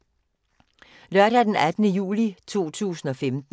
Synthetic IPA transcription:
lɶɐɾ̥æd̥enæd̥ənəjṵːlit͡sʰo̝̰ːt͡sʰṵːsn̩ɒ̽femd̥n

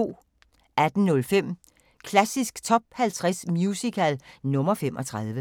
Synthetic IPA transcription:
o̝̰ː | ʔæd̥n̩nɔ̽lfem̰ | kʰlæsisɡ̥t͡sʰɒ̽b̥hælt͡sʰʁasmjusikʰælnɔ̽mɐfemʔɒ̽t͡sʰʁɑ̈ð̞ˠʋə

